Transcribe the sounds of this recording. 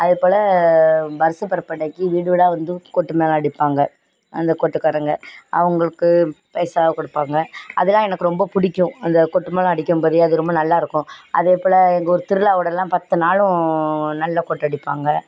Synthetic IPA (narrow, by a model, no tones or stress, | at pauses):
ɐðɯpoːlɐ | bɐɾɐsɐpɐɾɐpːɐɽɐɪkːɯʋiːɽɯʋɪɽaːʋɐnd̪ɯkɔʈːɯmeːlɐ̃ɐɽɪpːaːŋɡɐ | ɐnd̪ɐkɔʈːɯkːɐɾɐŋɡɐɐ̰ʋɐŋɡɐɭɯkːɯpɛːsaːkɔɽɯpːaːŋɡɐɐ̰ðɯlãːɛnɐkːɯɾɔmbɐpʊɽɪkʲːʊ̃ɐnd̪ɐkɔʈːɯmeːlɐ̃ɐɽɪkʲːɯmpɐðiɐðɯɾɔmbɐnɐlːaːɪɾɯkːʊ̃ɐ̰ðeːpoːlɐɛŋɡɐɔɾɯt̪ɪɾɯlaːʋɯɽɐlãːpɐt̪ːɯnaːlʊ̃nɐlːakɔʈːɐɽɪpːa̰ːŋɡɐ